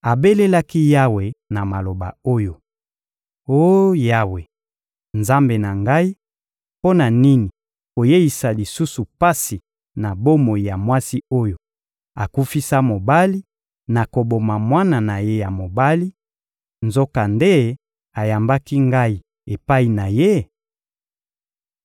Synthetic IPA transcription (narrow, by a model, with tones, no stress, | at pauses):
a˨be˦le˦la˦ki˦ja˦we˨na˨ma˨lo˨ba̰˨o˦jo˨ | o˦ja˦we˨ | nza˦mbe˨na˨ŋɡa˦i˦ | po˦na˨ni˦ni˨ | ko˨je˦i˨sa˨li˨su˦su˨pa˦si˨ | na˨bo˦mo˨i˨ja˨mwa˦si˦o˦jo˨ | a˨ku˦fi˦sa˦mo˨ba˦li˦ | na˨ko˨bo˨ma˨mwa˦na˨na˨je˦ja˨mo˨ba˦li˦ | nzo˦ka˨nde˦ | a˨ja˨mba˦ki˦ŋɡa˦i˨ | e˨pa˦i˨na˨je˦